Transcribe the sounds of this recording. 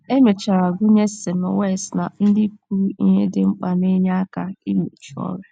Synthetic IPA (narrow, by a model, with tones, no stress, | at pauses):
e˦me˨t͡ʃa˨ɾa˨ɡʷʊ˦ɲe˦se˨mʊ̰˨we˦˨sna̰˨n̩˦dɪ˦ku˦ḭ˦ɦe˦dɪ˨ŋ͡m̩˦k͡pa˨ne˦ɲa˦a˦ka˦i˦mu˨t͡ʃu˨˦ɔ̰˦ɾe˦